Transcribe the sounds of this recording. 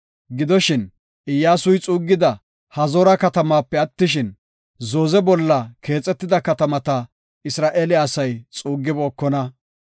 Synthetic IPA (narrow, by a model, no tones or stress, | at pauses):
ɡɪd̪ɔʃɪn | ɪjːaːsʊjt͡sʼuːɡːɪd̪ɐ | hɐzɔɾɐkɐt̪ɐmaːpːɛɐt̪ːɪʃ̬ɪn | zo̞ːzɛbɔlːɐke̞ːt͡sʼːɛt̪ːɪd̪ɐkɐt̪ɐmɐt̪ɐ | ɪsɾaːʔeːlɪɐsɐjt͡sʼuːɡːɪbɔːkːɔnɐ